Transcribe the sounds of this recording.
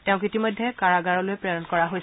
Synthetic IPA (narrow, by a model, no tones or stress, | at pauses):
tɛ̃ʊ̃kitimɔjdʱːɛkaɹaɡaɹɔlojpɹejɔnkɔɹaɦojs